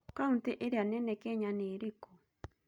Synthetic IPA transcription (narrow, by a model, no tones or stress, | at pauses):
kaunteʔeɾeanɛnɛkɛɲaneɾeko